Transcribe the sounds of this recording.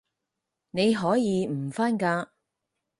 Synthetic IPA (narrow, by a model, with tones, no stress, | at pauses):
ne˨˧jɦɔː˨˥jiː˨˧m̩˨˩faː˥nkaː˧